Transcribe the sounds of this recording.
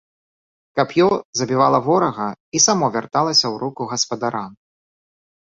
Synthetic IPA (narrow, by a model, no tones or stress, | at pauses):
kɐpjɔzɐbʲivalˠɐvɔɾɐɣɐisamɔvʲart̪alˠɐsʲɐwɾukuɣɐspɐd̪aɾam